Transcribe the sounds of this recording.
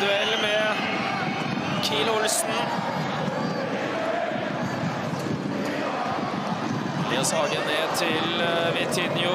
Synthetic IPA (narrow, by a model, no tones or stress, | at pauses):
ʉɛlːmɛ | kʰiːlʊlsn̩ | leːsɑɡəneːt̪ʰɪlʋɪt̪ʰɪnjʊ